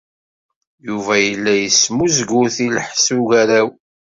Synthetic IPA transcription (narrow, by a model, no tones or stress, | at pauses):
juvæjəlːæjəsmuzɡuθilħsuʝæɾæw